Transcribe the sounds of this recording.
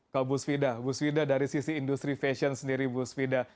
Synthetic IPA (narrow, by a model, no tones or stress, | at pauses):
kabusfidabusfidadaɾisisiːndust̪ɾifɛʃənsəndiɾibusfida